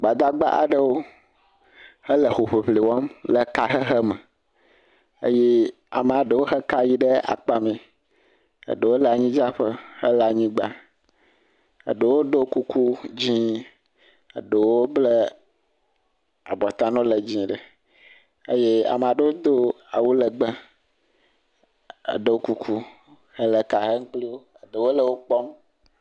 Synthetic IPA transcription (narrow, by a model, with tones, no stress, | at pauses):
ɡ͡ba˨d̪a˦ɡ͡ba̰˦ʔa̰˨ɖə˦wo˦ | hə˦lə˨xo˨ɸe˨ɸli˨wɔ˦mlə˨ka˨ɦə˦ɦə˦mə˨ | ə̰˦je˦ | a̰˨mə˨a˨ɖə˨wo˦ɦə˦ka˦ji˦ɖə˦a̰˨k͡pa˦mĩ˨ | ə̰˨ɖə˨wo˦la˨ɲĩ˦d͡ʒa˦ɸə˦hə˦la˨ɲĩ˦ɡ͡ba˦ | ə̰˨ɖə˨wo˦ɖo˦ku˦kʰu˦d͡ʑĩ˦ | ə̰˨ɖe˨wo˦ble˦ | a̰˨bɔ˨t̪a˦nɔ̃˦lə˨d͡ʑĩ˦ɖə˨ | e˦je˦a̰˨m˨a˨ɖə˦wo˦d̪o˦ | a̰˨wu˦lə˨ɡ͡bə˦ | ə̰˨ɖe˨wo˦ku˦kʰu˦ | hə˦lə˨ka˨ɦə˦ŋ̩˦k͡pli˦wo˦ə˨ɖe˨wo˦lə˨wo˦k͡pɔ˦m